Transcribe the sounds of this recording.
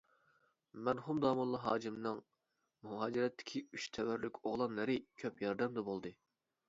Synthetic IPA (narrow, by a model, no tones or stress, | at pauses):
mæɾhumd̪ɑːmɑlˠɑɦɑːd͡ʒimnɨŋ | muɦɑːd͡ʒiɾɛt̪ʰːɪ̥kʲʰiyʃt̪ʰɛwæɾlykʲoʁlˠɑnlˠɨɾɨkʲʰøpjɑɾd̪ɛmd̪ɛbolˠd̪ɨ